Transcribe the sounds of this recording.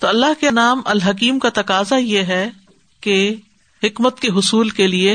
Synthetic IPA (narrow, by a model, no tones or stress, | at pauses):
t̪oːɐlːaɦkeɐnaːmɐlɦɐk̬iːmkat̪ɐkaːzajeɦɛ | ke | ɦɪkmət̪̚keɦʊsuːlkelie